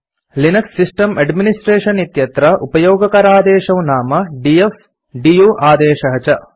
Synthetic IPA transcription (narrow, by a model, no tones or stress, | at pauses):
linɐksːisʈɐmɐɖminisʈɾeːʃɐnit̪jɐt̪ɾɐʔupɐjoːɡɐkɐɾaːd̪ɛːʃɐwnaːmɐɖief | ɖijuːʔaːd̪ɛːʃɐɦɐt͡ʃɐ